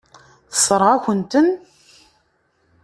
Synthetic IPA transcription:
θə̥sˤːəɾˤʁaçʷənt̪ən

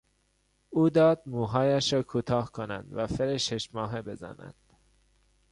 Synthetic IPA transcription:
uːd̪ɒːd̪̚muːɦɒːjæʃɾɒːkʰuːt̪ʰɒːhkʰonæ̰nd̪væfeɾeʃeʃmɒːɦe̞be̞zæ̰næ̰nd̪̥

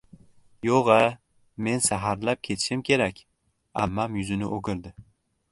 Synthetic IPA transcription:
joʁa | me̞nsaɦaɾlap̚kʲʰe̞t̪ʰɪ̥ʃɪmkʲʰe̞ɾakʲ | a̰mːamjʊzɪnɪʔoɡʲɪɾd̪ɪ

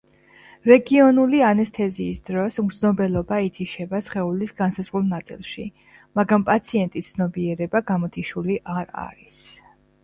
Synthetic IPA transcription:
ɾɛɡiɔnulianɛst̪ʰɛziːsd̪ɾɔsznɔbɛlˠɔbait̪ʰiʃɛbasχɛulisɡansazʁulˠnat̪sʼḭlˠʃḭ | maɡɾampʼat̪sʰiɛnt̪ʼisd̪ʰnɔbiɛɾɛbaɡamɔt̪ʰiʃuliʔaɾa̰ɾis

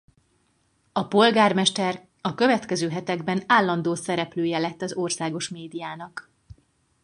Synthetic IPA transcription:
ɒpo̞lɡaːrmɛʃt̪ɛr | ɒkø̞vɛt̪kɛzøːɦɛt̪ɛɡbɛnaːlːɒnd̪oːsɛɾɛpløːjɛlɛt̪ːɒzo̞rsaːɡo̞ʃmeːd̪ijaːnɒk

